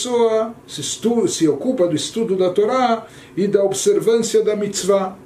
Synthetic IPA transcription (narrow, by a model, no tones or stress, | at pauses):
sɔastusiɔkupad̪ist̪ud̪jud̪at̪oɾa | id̪aɔbsɛɾvɛ̃nsiad̪amit͡sva